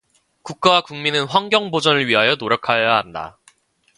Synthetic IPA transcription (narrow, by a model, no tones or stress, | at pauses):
kuk̚k͈awakuŋminɯnɸwaŋɡjʌŋbod͡ʑʌnɯɭɥiɦajʌnoɾjʌkʰajaɦanda̰